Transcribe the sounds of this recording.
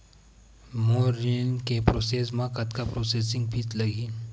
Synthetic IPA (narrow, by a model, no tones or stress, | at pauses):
moɾinkepɾosesmãkət̪kapɾosesiŋɡ̚piːt͡sləɡʱiːl